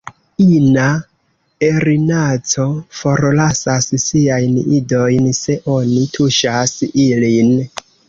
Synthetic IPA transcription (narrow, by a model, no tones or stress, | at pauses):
ina | eɾinat͡so̞fo̞ɾlasassiajnido̞jnse̞ʔo̞nitʰuʃasilin